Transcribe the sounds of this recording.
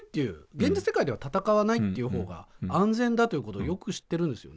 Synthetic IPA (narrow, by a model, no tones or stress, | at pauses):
t̪ːe̞jɯ̟̰ːɡẽɲ̟d͡ʑise̞kaid̪eβat̪at̪akaβanait̪ːe̞iɯ̟ɦo̞ːɡa̰ãnd͡zẽ̞nd̪at̪oiɯ̟kot̪o̰ːjo̞kɯ̟ɕi̥t̪ːeɾɯ̟̃nd̪e̞sɨjo̰